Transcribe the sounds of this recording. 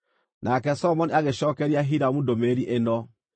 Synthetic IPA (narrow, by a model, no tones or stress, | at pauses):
nʔakɛsɔmɔniaɣeɕɔːkɛɾiaɦiɾamudomeɾiʔenɔ